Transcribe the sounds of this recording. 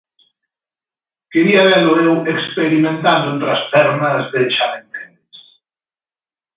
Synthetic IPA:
keɾiaβɛloɾewekspeɾimẽnt̪and̪ont̪ɾɐspɛɾnɐzðeʃalent̪ɛnes

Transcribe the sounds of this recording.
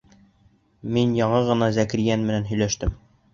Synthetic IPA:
minjɒɴɤʁɤ̆nɑzækɾijænmɘ̆nænɦɵ̆jlæʃt̪ɘm

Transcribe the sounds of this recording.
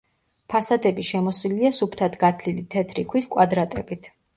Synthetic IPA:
pʰasad̪ɛbiʃɛmɔswiliasupʰt̪ʰat̪ʰɡat̪ʰlilit̪ʰɛt̪ʰɾikʰwiskʼwad̪ɾat̪ʼɛbit̪ʰ

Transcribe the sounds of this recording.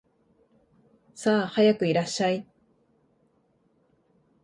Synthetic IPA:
saːhajakɯ̟iɾaɕːai

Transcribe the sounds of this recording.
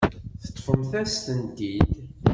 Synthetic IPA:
θə̥t̪ˤːfəmθæst̪ənd̪id̪

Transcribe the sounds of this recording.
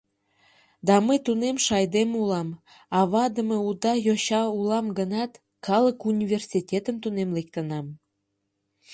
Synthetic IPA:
d̪ɑməjt̪unemʃɑjd̪emulɑm | ɑβɑd̪əmeud̪ɑjoɕɑulɑmɡənɑt̪ | kʰɑləkunʲivʲersʲitʲet̪əmt̪unemlekt̪ənɑm

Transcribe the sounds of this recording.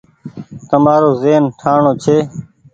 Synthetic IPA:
t̪əmaːɾoːzeːnʈʰaːɳoːt͡ʃʰeː

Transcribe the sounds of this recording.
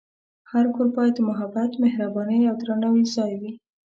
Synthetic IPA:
haɾkoɾpɑjad̪amʊɦabat̪mehɾabɑnəjawd̪ɾanawizɑjwi

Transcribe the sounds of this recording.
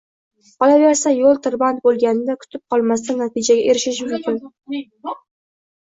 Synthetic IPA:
qʰɒlaveɾsajolˠt̪ʰɪɾbant̪̚bolˠɡʲanɪd̪akʰʊ̥t̪ʰɪp̚qʰɒlˠmas̬t̪anːat̪ʰɪd͡ʒaɡʲaʔe̞ɾɪʃɪʃmʊmkʲʰɪn

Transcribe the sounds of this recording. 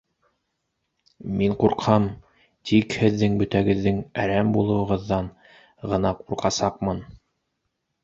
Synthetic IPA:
miɴquɾqhɑm | t̪ʰikhɘ̆ðːɘŋbɵ̆t̪æɡɘ̆ðːɘŋæɾæmbulˠɤ̆wɤ̆ʁɤ̆ðːɑn | ʁɤ̆nɑquɾqɑsɑq̚mɤn

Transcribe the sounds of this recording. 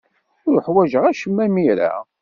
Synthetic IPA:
ʊɾħwæʒəʁæʃəmːæmiɾa̰

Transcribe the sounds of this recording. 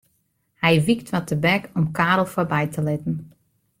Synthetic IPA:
hɛjʋik̚tʋɔtəbɛkɔmkaːɾl̩ˠfɔrbɛjtʰəlɪtn̩

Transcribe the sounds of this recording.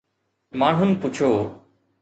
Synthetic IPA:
maːɳ̤ɦʊnpʊt͡ɕʰoː

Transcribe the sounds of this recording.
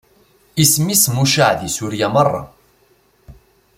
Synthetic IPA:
ismismuʃaʕðisuɾjamɑrˤːɑ̰

